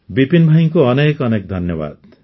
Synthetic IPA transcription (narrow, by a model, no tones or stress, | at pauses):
bipinbʱajiŋkuʌnekʌnek̚d̪ʱʌnjɔba̰d̪